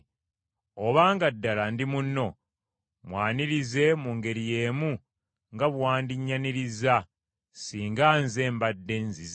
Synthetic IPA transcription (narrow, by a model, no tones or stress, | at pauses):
oβaːŋɡadːalandimunːo̞ | mwaːniɾize̞muŋɡe̞ɾije̞ːmu | ŋɡaβwaːndiɲːaniɾiza | siːŋɡaːnzeːmbadːe̞nziz